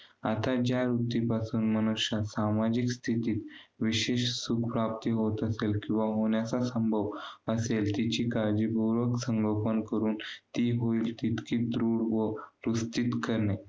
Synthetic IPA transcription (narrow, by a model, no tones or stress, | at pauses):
at̪ad͡ʑjaɾut̪ipasuːnmənuɕjasamad͡ʑikst̪ʰit̪iːt̪ʋiɕeɕsukʰpɾap̚t̪iɦot̪əselkĩw̃ʋaɦoɳjat͡sasəmbʱəʋəselt̪it͡ɕiːkaɾd͡ʑibʱoɾʋəksəŋɡəlpənkəɾuːnt̪iːɦoiːlt̪it̪kiːd̪ɾoɽʋəɾust̪it̪kəɾɳe